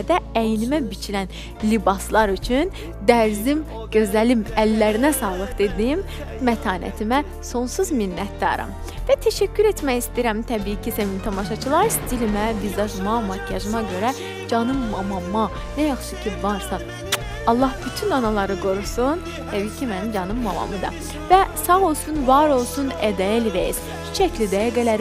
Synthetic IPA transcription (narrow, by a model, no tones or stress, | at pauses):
d̪ææjnimæbit͡ʃʰilæn | libɑslˠɑɾyt͡ʃʰyn | d̪æɾzim | ɟ̥ø̞zlælimælːæɾinæsɑːlˠɯχd̪e̞d̪imː | æt̪ʰɑːnʔæ̰t̪ʰimæ | so̞nsuzminːæt̪̚d̪ɑ̰ɾɑ̰m | væt̪ʰæʃæcːyɾe̞t̪ʰmæjist̪iːɾæmt̪ʰæbiːicʰisæmimt̪ʰɑmɑʃɑt͡ʃʰɯlˠɑɾst̪ilimæbizd̪ɑʒmɑmɑɑʒɯmɑɟø̞ɾæ | d͡ʒɑnɯmːɑmɑmɑ | næjɑχʃucʰivɑɾsɑ | ɑlˠːɑhb̥yt̪ʰynɑnɑlˠɑɾɯɡo̞ɾusun | t̪ʰæbiicʰimænimd͡ʒɑnɯmːɑmɑ̰mɯd̪ɑ̰ | væsɑɣo̞lˠsunvɑɾo̞lˠsunæd̪æilivæjiz̥ | t͡ʃʰy̥t͡ʃʰæclid̪æjæɡælæɾ